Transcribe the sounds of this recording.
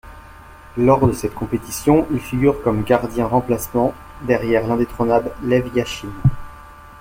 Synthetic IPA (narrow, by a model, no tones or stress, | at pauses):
lɔʁd̪əsɛt̪kɔ̃pet̪isjɔ̃ʔilfiɡʲyʁkɔmɡaʁd̪jɛ̃ʁɑ̃plasmɑ̃ | d̪ɛʁjɛʁlɛ̃d̪et̪χɔnabllɛvjaʃin